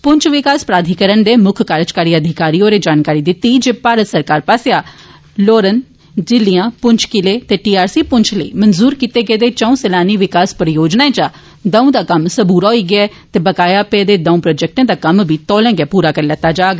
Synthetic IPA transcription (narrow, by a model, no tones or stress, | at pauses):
pʊɲt͡ʃʰʋɪkaːspɾaːd̪ʱikəɾəɳd̪eːmʊkʰkaːɾt͡ʃkaːɾiːəd̪ʱɪkaːɾijõːɾeːd͡ʒaːnkaːɾiːd̪ɪt̪ːiːd͡ʒeːpaːɾət̪səɾkaːɾpaːsejaː | loːɾən | d͡ʒɪlːijãːpʊɲt͡ʃʰkɪleːt̪eːʈiːaːɾsiːpʊɲt͡ʃʰləḭːmənzuːɾkiːt̪eːɡeːd̪eːt͡ʃə̃ũːselaːniːʋɪkaːspɾəjoːd͡ʒnaːẽːt͡ʃaː | d̪ə̃ːũːd̪aːkəmsəbuːɾaɦoiːɡɪɛː | t̪eːbəkaːjaːpeːd̪eːd̪ãũːpɾoːd͡ʒɛk̚ʈẽːd̪aːkəmbiːt̪ɔːlɛ̃ːɡeːpuːɾaːkəɾlɛt̪ːaːd͡ʒaːɡ